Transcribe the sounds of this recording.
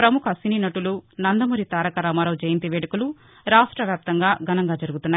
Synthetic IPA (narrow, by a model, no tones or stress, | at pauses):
pɾɐmukʰɐsininɐʈulunɐnd̪ɐmuːɾit̪aːɾɐkɐɾaːmaːɾɐwd͡ʒɐjɐnt̪iʋeːɽɐkulu | ɾaːʂʈɾɐʋjaːp̚t̪ɐŋɡaːɡɐnɐŋɡaːd͡ʒɐɾuɡut̪unːaː